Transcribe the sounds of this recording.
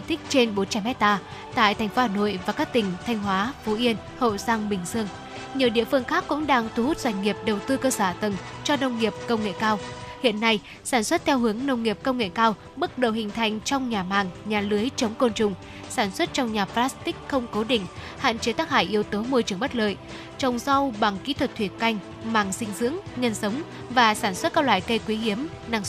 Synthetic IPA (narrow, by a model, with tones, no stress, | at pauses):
t̪ʰï˦˥k̟̚t͡ɕe˧nɓo˨˦nt͡ɕa˨˧mɛ˦˥t̚t̪aː˧ | t̪a̰ː˧˨jt̪ʰa˨˩jŋ̟fo˨˦haː˧˩no̰˧˨jvaː˨˩kaː˦˥k̚t̪ï˨˩ŋ̟t̪ʰa˧jŋ̟ɦwaː˨˦fu˨˦ʔi˧ən | ho̰˧˨zaː˧ŋɓï˨˩ŋ̟zɨ˧əŋ | ɲi˨˩əwɗḭ˧əfɨ˧əŋxaː˦˥kːʊ̰˧˥ŋ͡mɗaː˧ŋt̪ʰu˧˦hu˦˥t̚zwa˧˩jŋ̟ŋi˨˩əp̚ɗə˨˩wt̪ɨ˧kəː˧saː˧˩t̪ə˨˩ŋt͡ɕɔ˧nə˧wŋ͡mŋi˨˩əp̚kə˧wŋ͡mŋḛ˧˨kaː˧whḭ˧˨ənːa˧j | saː˧˩nswə˦˥t̚t̪ʰɛ˧wɦɨ˨˦əŋnə˧wŋ͡mŋi˨˩əp̚kə˧wŋ͡mŋḛ˧˨kaː˧w | ɓɨ˦˥k̚ɗə˨˩whï˨˩ŋ̟t̪ʰa˨˩jŋ̟t͡ɕɔ˧wŋ͡mɲaː˨˩maː˨˩ŋɲaː˨˩lɨ˨˦əjt͡ɕə˨˦wŋ͡mko˧nt͡ɕʊ˨˩ŋ͡m | saː˧˩nswə˦˥t̚t͡ɕɔ˧wŋ͡mɲaː˨˩plaː˦˥st̪ï˥k̟̚xə˧wŋ͡mko˨˦ɗï˧˩ŋ̟ | ha̰ː˧˨nt͡ɕe˨˦t̪aː˦˥k̚ha̰ː˧˩jʔi˧əwt̪o˨˦mo˧jt͡ɕɨ˧˩əŋ͡mɓə˦˥t̚ləː˨j | t͡ɕə˨˩wŋ͡msa˧wɓa˨˩ŋkḭ˧˥t̪ʰwə˨˩t̚t̪ʰwi˨˩ən̚ka˧jŋ̟ | maː˧˩ŋsï˧ŋ̟zɨ̰˧˥əŋɲə˧nsə˨˦wŋ͡m | vaː˨˩saː˧˩nswə˦˥t̚kaː˦˥lwa̰ː˧˨jk̪ə˧jkwi˨˦hi˨˦əm | na˧ŋs